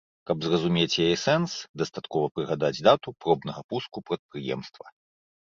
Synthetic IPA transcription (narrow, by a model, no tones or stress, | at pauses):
kɐbzrɐzumʲet͡sʲjajɛsɛnsd̪ɐst̪at̪kɔvɐpɾɨɣad̪ad͡zʲd̪at̪upɾɔb̚nɐɣɐpuskupɾɐt̪̚pɾɨjɛ̰mst̪vɐ